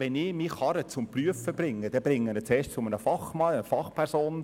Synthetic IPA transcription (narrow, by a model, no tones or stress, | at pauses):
ʋɛnɪmiχɑɾət͡sʊmpryəfːəb̥rɪŋːəd̥̪ɛbɾɪŋːənət͡sɛːʃt͡sʊmənəfɑχmɑəfɑχpʰɛɾsoːn